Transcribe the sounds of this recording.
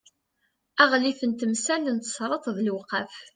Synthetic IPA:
æʁliθənt̪əmsælənt̪ə̥sˤɾˤət̪ˤðəlwqæf

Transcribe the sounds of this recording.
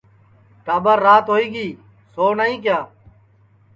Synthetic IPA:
ʈaːbəɾːaːt̪ɦoːiːɡiː | soːnəɦĩːk̬jaː

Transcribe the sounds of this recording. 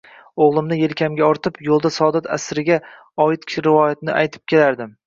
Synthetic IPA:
oʁlˠɪmnɪje̞lkʲʰamɡʲaɒɾt̪ʰɪpjolˠd̪asɒd̪at̪ʰa̰sɾɪɡʲa | ɒɪt̪̚kʲʰʃɾɪvɒjat̪nɪʔajt̪ʰɪ̥p̚kʲʰe̞laɾd̪ɪm

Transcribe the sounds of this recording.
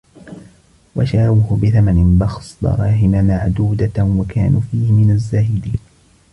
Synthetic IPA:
wa̰ʃaːwʊhʊbɪθamanɪnbɑxsd̪ɑ̰ɾˤɑːɦɪmamaʕd̪uːd̪awakaːnuːfiːhɪmɪnazːaːhɪd̪iːn

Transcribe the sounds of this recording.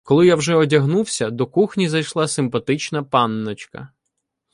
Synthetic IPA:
kɔlˠɪjawʒɛɔdʲɐɦnuwsʲɐd̪ɔkuxnʲizɐjʃlˠɑsɪmpɐt̪ɪt͡ʃnɐpɑnːɔt͡ʃkɐ̰

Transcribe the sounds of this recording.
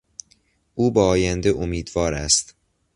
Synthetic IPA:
ʔuːbæɒːjænd̪eʔomiːd̪vɒːɾæst̪

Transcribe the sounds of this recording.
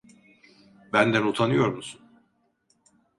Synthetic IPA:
bænd̪ænut̪ʰanɯjo̞ɾmusun

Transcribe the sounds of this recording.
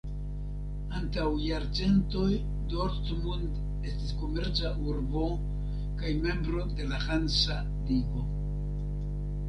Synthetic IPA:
antawjaɾt͡se̞nto̞j | doɾtmund | e̞stisko̞me̞ɾt͡saʔuɾbo̞ | kajme̞mbɾo̞de̞lahansa | liɡo̞

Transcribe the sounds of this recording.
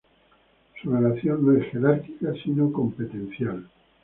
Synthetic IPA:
surelaθjo̞nːoesxe̞ɾaɾkikasinoko̞mpet̪e̞n̟θjal

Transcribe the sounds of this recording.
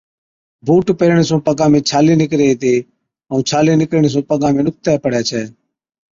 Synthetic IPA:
bʱuːʈpeːɾɳ̃eːsõːpəɡãːmẽːt͡ʃʰaːliːnɪkɾeːt̪eː | əũːt͡ʃʰaːleːnɪkɾɳ̃eːs̬õːpəɡãːmẽːnʊk̚t̪ɛːpəɽɛːt͡ʃʰɛː

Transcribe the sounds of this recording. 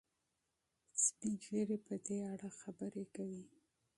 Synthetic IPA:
spid͡ʒleɾepəd̪eaɽaxabəɾekawi

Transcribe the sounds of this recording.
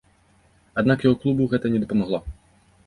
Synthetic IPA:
ad̪nakjɔɣɔklˠubuɣɛt̪ɐnʲɛd̪ɔpɔmaɣlˠɔ

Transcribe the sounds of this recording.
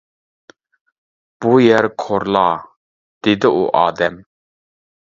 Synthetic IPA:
b̥ujɛɾqʰoɾlˠɑː | d̪̥ɪd̪ɪuʔɑːd̪ɛm

